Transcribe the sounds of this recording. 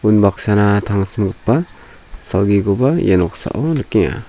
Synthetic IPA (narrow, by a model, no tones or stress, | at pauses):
unbaksanatʰaŋsmɡɯpːa | salɡiɡɔbajenɔk̚sa̰ʔɔnɯkiŋa̰